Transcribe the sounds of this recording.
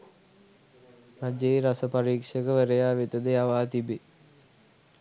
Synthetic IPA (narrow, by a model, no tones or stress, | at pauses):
rad͡ʒejɾasəpaɾiːkʂəkəʋəɾejaːʋit̪əd̪əjaʋaːt̪ibe